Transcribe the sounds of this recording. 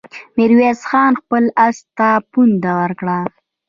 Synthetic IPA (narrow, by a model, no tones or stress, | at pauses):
mɪɾwesxɑnxpəlast̪apund̪awəɾkɽa